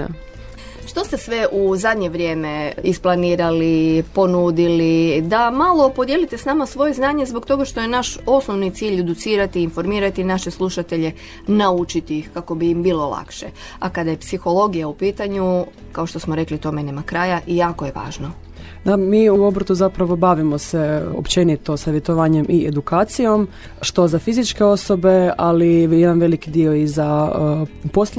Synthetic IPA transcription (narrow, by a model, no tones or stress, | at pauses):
ʃt̪o̞st̪e̞sʋeʔuzad̪ɲe̞ʋɾʲje̞ːme̞isplˠaniːɾalipo̞nuːd̪ilid̪amalˠo̞po̞d̪je̞lit̪e̞snaːmasʋo̞je̞znaːɲezbok̚t̪o̞ɡaʃt̪o̞je̞naʃo̞snoʋnit̪siːʎed̪ut̪siːɾat̪iːnfo̞ɾmiːɾat̪inaʃeslˠuʃat̪e̞ʎe̞ | naut͡ʃit̪iixkako̞biimbiːlo̞lˠa̰kʃḛ | akad̪aje̞psixo̞lˠo̞ɡijaupiːt̪aɲu | kao̞ʃt̪o̞smoɾe̞klit̪o̞menemakɾaːjaʔijaːko̞je̞ʋa̰ːʒno | d̪amiːuobɾot̪uzapɾaʋo̞baʋimo̞seo̰pt͡ʃenit̪o̞saʋjet̪oʋaːɲe̞mʔied̪ukaːt̪sijo̞m | ʃt̪o̞zafizit͡ʃke̞o̞so̞be̞alijed̪anʋe̞likid̪io̞iza | pos